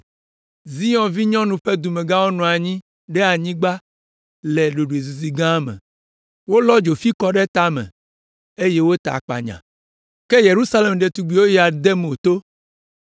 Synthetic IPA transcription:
zi˦jɔ̃˨vi˦ɲɔ̃˦nũ˨ɸe˦d̪u˨mẽ˨ɡã˦wo˦nɔ̃˨a˨ɲĩ˦ | ɖɛ˦a˨ɲĩ˦ɡ͡ba˦ | lɛ˨ɖo˨ɖu˨e˨zu˨zi˨ɡã˦mɛ̰̃˨ | wo˦lɔ˦d͡ʒo˨fi˦kɔ˦ɖe˦t̪a˦mɛ̰̃˨ | e˦je˦wo˦t̪a̰˨k͡pa̰˨ɲã̰˨ | ke˦je˨ɾu˦sa˦le˨mɖe˨t̪u˨ɡ͡bi˨˦wo˦ja˨d̪e˦m˨o˨t̪o˦

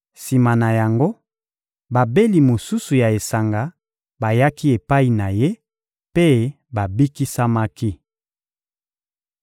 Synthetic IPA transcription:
si˨ma˨na˨ja˨ŋɡo˦ | ba˨be˦li˨mo˨su˦su˨ja˨e˨sa˨ŋɡa˨ | ba˨ja˦ki˦e˨pa˦i˨na˨je˦ | pe˦ | ba˨bi˦ki˦sa˦ma˦ki˦

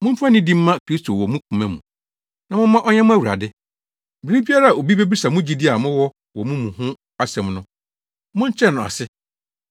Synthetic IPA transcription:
mʊ̃˦m̩˦fa˦nɪ̃˦dĩ˦m̩ː˦ã˦kʰɾi˦stʰo˨wɔ˨mũ˦kʰũ˨mɛ̃˦mṵ̃˨ | nã˨mʊ̃˦mã˦ʔɔ˦ɲɛ̃˦mʊ̃˦æ˦wu˨ɾa̰˨dɪ˦ | bɪ˨ɾi˦bi˦a˦ɾa˦a˨o˨bi˦be˦bi˦sa˨mʊ̃˦d͡ʑi˨di˦a˨mʊ̃˦wɔ˦ | wɔ˨mũ˦mũ˨hʊ̃˦ | a˦sɛ̃˨mnʊ̃˦ | mʊ̃˦ɲ̩˦t͡ɕʰɛ˦˨nʊ̃˨a̰˨sɪ˦

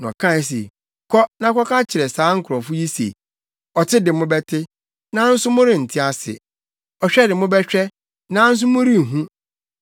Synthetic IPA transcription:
nɔ̰̃˨kʰã˦˨s̬ḛ˨ | kʰɔ˦nã˦kʰɔ˦ka˦t͡ɕʰɪ˨ɾɛ˨saː˨˦ŋ̩˦kʰʊ˨ɾɔ˨fʊ˦ji˦sḛ˨ | ɔ˨tʰɪ˦dɪ˨mʊ̃˦bɛ˦tʰɪ˦ | nã˦n̩˦sʊ˦mʊ̃˦ɾɪ̃˨n̩˨tʰɪ˦a˨sɪ̰˨ | ɔ˨ɕᶣɛ˦dɪ˨mʊ̃˦bɛ˦ɕᶣɛ˦ | nã˨˦n̩˦s̬ʊ˦mʊ̃˦ɾi˦˨ɦũ˦

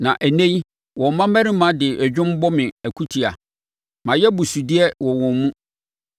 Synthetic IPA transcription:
nã˨ʔæ˨nẽ˦ɲ˦ | wɔ˨mã˦mæ˦ɾɪ̃˦mã˨˦dɪ˨ʔɛ˨d͡ʑᶣʊ̃˦m˦bɔ˦mɪ̃˨æ˨kʰu˦tʰi˨a̰˨ | mã˨jɛ˦bʊ˨su˨di˦ɛ˦wɔ˨wɔ̃˨nmũ˦

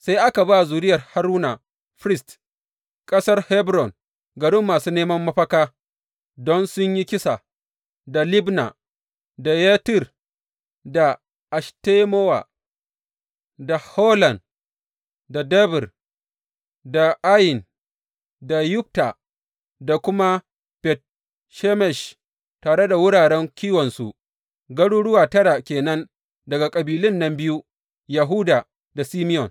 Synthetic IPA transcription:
sa˦jʔa˦ka˨baː˦zuː˨ɾɪ˦jɐ˨rha˦ɾuː˦na˨ | ɸɾɪ˦st | kʼɐ˦sɐ˦rhɛ˦bɾɔ˨n | ɡɐ˨ɽɪ˦mːaː˨suː˦neː˦mɐ˦mːɐ˦ɸɐ˦kaː˦ | dɔ˦nsʊ˦ɲji˦kʲɪ˦sa˨ | da˨lɪ˦bna̰˨ | da˨jaː˦tɪ˦˨r | da˨ | ʔa˨ʃte˦moː˦wa̰˨ | da˨ho˦lɐ˨n | da˨dɛ˦bɪ˨r | da˨ʔa˦jɪ˨n | da˨jʊ˦p̚ta˨ | da˨kʷʊ˦ma˦ | pɛ˨t̚ | ʃɛ˦mɛ˨ʃ | taː˨ɽe˦da˨wʊ˦ɽaː˨ɽɛ˦ŋkʲiː˦wɔ˨nsṵ˨ʔ | ɡɐ˦ɽuː˦ɽʊ˦waː˨tɐ˦ɽa˨kʲeː˨nɐ˦n | dɐ˨ɡa˨kʼɐ˨biː˨lɪ˦nːɐ˦mbɪ˦ju˦ | ja˨ɦu˦da˨ | da˨siː˦mɪ˦jɔ˨n

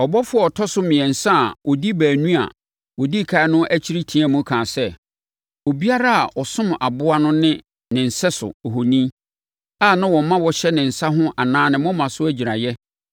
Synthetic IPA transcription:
ɔ˨bɔ˦fʊ˦ɔ˦˨ɔ˨tʰɔ˦sʊ˦mɪ̃˨ɛ̃˨n̩˨sã˦˨wɔ˨di˦bæː˨nũ˦a̰˨ | wɔ˨di˦˨kʰa˨ɪ˦nʊ̃˦ʔæ˦t͡ɕʰi˦ɾi˦tʰĩ˦ã˦mũ˦kʰãː˨sɛ˦ | o˨bi˦a˦ɾa˦a˨ʔɔ˨sʊ̃˦m˨a˨bʊ˦a˦nʊ̃˦nɪ̃˦ | nɪ̃˨n̩˨sɛ˦sʊ̰˨ɔ˨ɦo˨nĩ˦ | a˦˨nã˦wɔ̃˨˦mã˦wɔ˨ɕɛ˦nɪ̃˨n̩˨sa˦ɦʊ̃˦ʔa˨nãː˦nɪ̃˨mʊ̃˦mã˨sʊ˦æ˦d͡ʑi˨ɾa˨jɛ˦

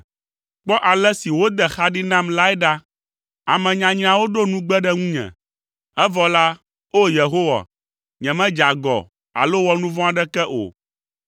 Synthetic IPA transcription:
k͡pɔ˦ʔa˨lɛ˦si˨wo˦d̪ɛ˨xa˦ɖi˦nã˦mla˦ɛ˦ɖa˦ | a˨mɛ̃˨ɲã˨ɲĩ˨ã˨wo˦ɖo˦nũ˦ɡ͡bɛ˦ɖɛ˦ŋũ˦ɲɛ̰̃˨ | ɛ˦vɔ˨la˦ | o˦je˨ɦo˦wa̰˨ | ɲɛ̃˨mɛ̃˦d͡ʒa˨ɡɔ̰˨ | a̰˨lo˦wɔ˦nũ˦vɔ̃˦a˨ɖɛ˦kɛ˦ʔo̰˨

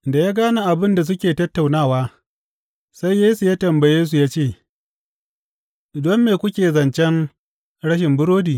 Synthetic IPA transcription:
nda˨jaː˦ɡaː˦na˨ʔa˨bɪ˦nda˨s̬ʊ˦kʲeː˨tɐ˦tːa˨wnaː˦˨waː˦ | sa˦jːeː˦su˨jaː˦tɐ˨mbɐ˨jeː˦s̬u˨jaː˦t͡ʃeː˦˨ | dɔ˦mːeː˨kʷʊ˦kʲeː˨zɐ˨nt͡ʃɛ˦n | ɽɐ˦ʃ̬ɪ˨mbʊ˦ɾoː˦diː˨

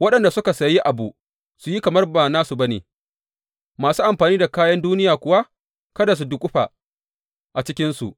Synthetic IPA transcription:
wɐ˦ɗɐ˨nda˨sʊ˦ka˨sɐ˨ji˦ʔa˨bu˨ | su˨ji˦kɐ˨mɐ˦rba˨naː˦su˨bɐ˦nḛ˨ | maː˨suː˦ʔa˨mɸaː˨niː˦da˨kaː˦jɐ˦nduː˦nɪ˦jaː˨kʷʊ˨wa˦ | kɐ˦da˨s̬u˨dʊ˨kʷʼʊ˦ɸa̰˨ | ʔa˨t͡ʃɪ˦kʲɪ˦nsṵ˨ʔ

